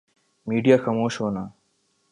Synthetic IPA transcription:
miːɖijaxɐmoːʃɦoːnaː

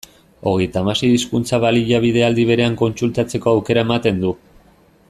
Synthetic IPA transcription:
o̞ɣ̞e̞jt̪amasejiskunt͡saβaliʎaβ̞ið̞e̞ald̪iβ̞e̞ɾe̞aŋko̞nsult̪at͡se̞ko̞awke̞ɾae̞mat̪e̞nd̪u

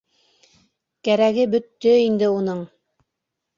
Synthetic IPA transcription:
kæɾæɣɘbɵ̆t̪ːɵind̪ɘunɤɴ

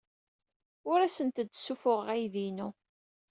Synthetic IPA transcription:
ʊɾæsənt̪əd̪ːsufʊʁəʁæjðinu

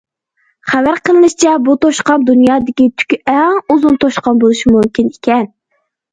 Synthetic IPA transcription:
χævæɾqəlˠɨnɨʃt͡ʃʰɛbut̪ʰoʃqɑmd̪unjɑːd̪ɪkʲit̪ʰy̥kʲɛŋuzunt̪ʰoʃqɑmbolˠuʃimumkʲinikʲʰɛn

